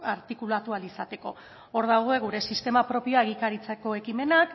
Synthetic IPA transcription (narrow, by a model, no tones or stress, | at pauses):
aɾt̪ikulat̪ualisat̪e̞ko̞ | oɾð̞awɣ̞oe̞ɣ̞uɾe̞sist̪e̞mapɾo̞pioaeɣikaɾit͡seko̞e̞kime̞nak